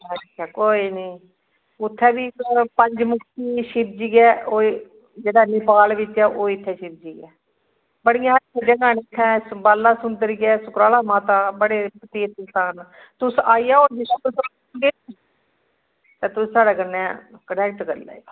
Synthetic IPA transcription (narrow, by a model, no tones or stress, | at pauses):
ət͡ʃːʃʰaːkoːiːniː | ʊt̪ʰːɛːbiːpəɲd͡ʒmʊkʰt̪iːʃɪb̚d͡ʒiːɡɛːoː | d͡ʒeːɽaːnɪpaːlʋɪt͡ʃːɛːʔoːɪt̪ʰːɛːʃɪb̚d͡ʒiːɡɛː | bəɽɪjãːɦəɾsəd͡ʒãːɡaːnet̪ʰːɛ̃ːbaːlːaːsʊnd̪əɾɡɛːsʊkɾaːlaːmaːt̪aːbəɽeːpət̪eːt̪əlt̪aːn | t̪ʊsaːijaːoːd͡ʒɪtːɛ̃ːt̪ʊs | ɡeː | t̪eːt̪ʊssaːɽaːkənɛ̃ːkənɛːk̚ʈkəɾla̰ːi